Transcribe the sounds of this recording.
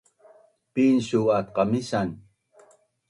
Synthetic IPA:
piːnsuwaːt̪̚qɑmisan

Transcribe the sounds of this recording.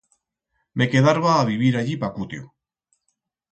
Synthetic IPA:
mekeðaɾβaːβiβ̞iɾaʎipakut̪jo̰

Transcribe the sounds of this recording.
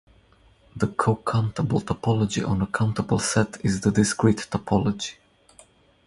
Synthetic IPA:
ðəkʰokʰãʊ̃ntʰəbəl̩ˠtʰəpʰɔlɔd͡ʒḭʔə̃nəkʰãʊ̃ntəbəl̩ˠsɛtʰɪzðədɪskɹitʰːəpʰɔlɔd͡ʒi̥

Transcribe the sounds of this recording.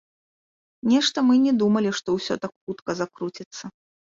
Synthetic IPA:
nʲɛʂt̪ɐmɨnʲɛd̪umɐlʲiʂt̪ɔwsʲɔ̰t̪akxut̪kɐzakɾut͡sʲit̪sːɐ

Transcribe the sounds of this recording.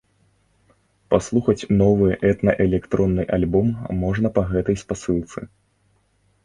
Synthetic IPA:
paslˠuxɐt͡sʲnɔvɨjʔɛt̪nɐʔɛlʲɛkt̪ɾɔnːɨjʔalʲbɔmːɔʐnɐpɐɣɛt̪ɐjspasɨlˠt̪sɨ

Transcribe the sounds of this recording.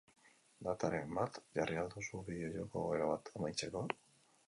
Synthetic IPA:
d̪at̪aɾe̞mbat̪ʝariald̪usuβiðeoʝoko̞ɣeɾaβat̪ʰemajt͡se̞ko̞

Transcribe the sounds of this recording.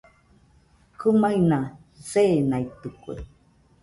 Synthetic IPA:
kɨmaina | seːnait̪ɨkuḛ

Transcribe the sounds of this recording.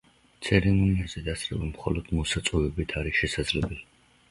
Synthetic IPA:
t̪sʰɛɾɛmɔniazɛd̪asʰʼɾɛbamχɔ̰lɔd̪̥mɔsat̪sʼɔvɛbit̪ʰaɾiʃɛsad̪zlɛbɛli

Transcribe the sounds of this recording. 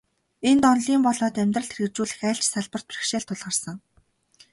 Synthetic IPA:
ent̪ɔnɮiːmpɔɮɔːt̪æmʲt̪rə̆ɬt̪ʰĕrɣɘ̆t͡ɕuːɮɘ̆xæːɬt͡ɕsaɮpə̆r̥t̪̚pʰrĭ̥xʃeːɮt̪ʰːʊɮʁə̆rsə̆ŋ

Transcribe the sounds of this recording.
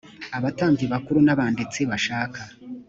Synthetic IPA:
aβataːɲɡeβakuɾunaβaːndet͡se̞βaʃaːka

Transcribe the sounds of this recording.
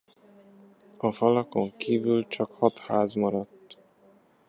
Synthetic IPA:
ɒfɒlɒko̞ŋkiːvylt͡ʃɒkhɒt̪haːzmɒɾɒt̪ː

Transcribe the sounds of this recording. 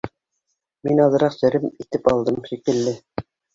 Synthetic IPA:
minɑlˠɤ̆ɾɑqsɘ̆ɾɘmit̪ɘpɑlˠd̪ɤmʃikɘ̆lːɘ

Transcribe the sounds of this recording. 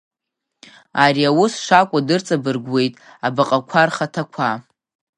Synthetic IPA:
aɾiawʊsʂakʷʼadɨrt͡sʼabɨrɡʷwe̞jtʼ | abaqʼakʷʰarχatʰakʷʰa

